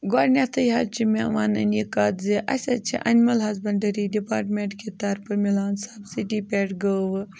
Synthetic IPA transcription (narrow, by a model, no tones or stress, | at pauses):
ɡaːɾnʲat̪ʰɐjɦɐt͡ʃʰimeʋaːnɐ̰nikaːt̪ziʔɐ̰sʲɐt͡ʃʰḭʔɐ̰nmɐlɦɐzbɐɳɖɐɾiɖipaːɾʈmʲeɳʈket̪aɾpɐmilaːnsabsiʈipʲeːʈɡəʋɨ